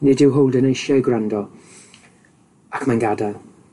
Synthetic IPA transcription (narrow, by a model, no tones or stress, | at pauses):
nɪːdɪwɦowlˠdənejʃjaɡwrandɔ | akʰmanɡada